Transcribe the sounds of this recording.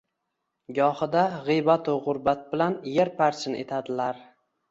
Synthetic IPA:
ɡɒhɨd̪aʁijbat̪ʰʊʁʊɾbat̪̚bɪlanjeɾpʰaɾt͡ʃʰɪnet̪ʰad̪ɪlaɾ

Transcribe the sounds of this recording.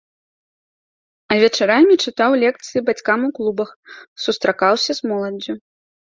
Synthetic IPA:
ɐvʲɛt͡ʂaɾamʲit͡ʂɨt̪awlʲɛk̚t̪sɨjibat͡sʲkamuklˠubɐxsust̪ɾakawsʲɐzmɔlˠɐd͡zʲu

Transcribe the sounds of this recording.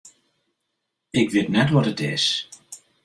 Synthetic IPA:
ɪkʋɪtnɛtʋɔtətɪs

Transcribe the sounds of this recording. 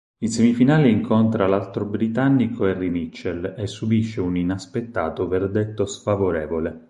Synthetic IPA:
ilsemifinaːleiŋkʰont̪ɾalalt̪ɾobɾit̪anːikʰoɛrːimit͡ʃːelesːubiʃːeuninaspet̪ːa̰ːt̪overd̪et̪ːosfavoɾɛːvole

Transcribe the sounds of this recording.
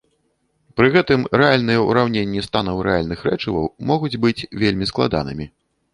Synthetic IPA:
pɾɨɣɛt̪ɨmɾɛalʲnɨjɛṵɾawnʲenʲːist̪anɐwɾɛalʲnɨxɾɛt͡ʂɨvɐ̰wmɔɣud͡zʲbɨt͡sʲvʲelʲmʲisklˠa̰d̪a̰nɨ̰mʲi

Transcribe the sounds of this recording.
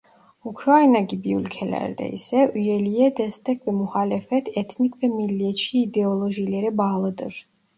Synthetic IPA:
ukʰɾainaɡibiulkʰɛlɛ̰ɾd̪ɛ̰ḭsɛʔuɛliɛd̪ɛst̪ʰɛkʰvɛmuχalɛfɛt̪ʰɛt̪ʰnikʰvɛmiliɛʃiːd̪ɛɔlˠɔʒilɛɾɛbalˠɔd̪ɔɾ

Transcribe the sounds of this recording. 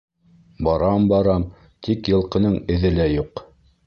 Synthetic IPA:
bɑɾɑmbɑɾɑm | t̪ʰikjɤ̆lˠqɤ̆nɤɴɘ̆ðɘlæjuq

